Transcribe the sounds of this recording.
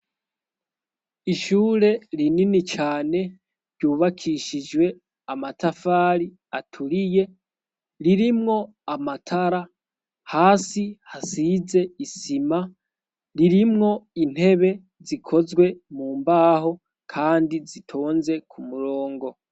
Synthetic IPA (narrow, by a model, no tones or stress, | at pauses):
iʃuːɾe̞ɾininit͡ʃaːne̞ | ɾɟuːβakʰiʃid͡ʒwe̞ | amatafaːɾi | atʰuɾije̞ | ɾiɾimŋo̞ | amatʰaɾa | haːsihasize̞isima | ɾiɾimŋo̞in̥he̞βe̞ | zikʰo̞zɡwe̞muːmbaɦo̞ | kʰaːndizitʰo̞ːnze̞kʰumuɾoːŋɡo̞